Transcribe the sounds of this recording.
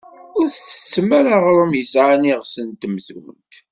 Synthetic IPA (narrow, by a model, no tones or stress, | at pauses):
ʊɾθθə̥t͡sːmæɾaʁɾˤəmjəsʕaniʁsənt̪mðwə̰nt̪